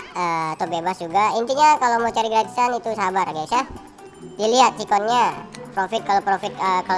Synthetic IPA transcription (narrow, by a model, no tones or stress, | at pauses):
əat̪obebasd͡ʒuɡaint̪iɲakalomot͡ʃaɾiɡɾad͡ʒisanit̪usabarɡasah | diliɦat̪̚sikɔnɲapɾofɪt̪̚kalopɾofɪt̪̚əkal